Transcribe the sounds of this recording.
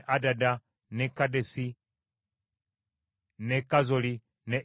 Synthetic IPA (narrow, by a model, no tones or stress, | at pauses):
ʔadada | nɛkadɛsi | nɛkazɔli | nɛ